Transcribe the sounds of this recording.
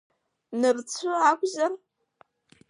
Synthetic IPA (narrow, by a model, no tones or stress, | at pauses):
nɨrt͡sʷʰɨaːkʷʼzɐr